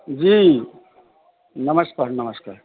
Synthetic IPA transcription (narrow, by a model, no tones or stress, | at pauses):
d͡ʒi | nəməspaːɾnəməskaːɾ